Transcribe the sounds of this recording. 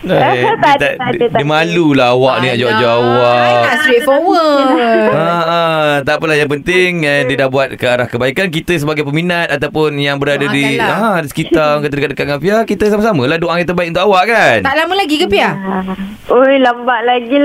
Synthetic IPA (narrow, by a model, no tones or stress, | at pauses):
t̪adimalulaɦawaʔnĩad͡ʒawad͡ʒaawaʔasɾet̪̚fowə | at̪aʔpəlahjaŋpənt̪ɪŋədiədahbuat̪̚kəaɾahkəbaikank̬it̪əsəbaɡajpəminat̪̚at̪awpʊnjaŋbəɾadadiaʔadisə̥kit̪aŋkət̪ədkat̪̚dəkat̪̚ŋafiakit̪əsamasamə̃lahdoʔaŋkit̪̬ːəbaikunt̪ʊkawaʔkant̪aʔlamə̃laɡikəpia | ojlaməbaʔlaɡi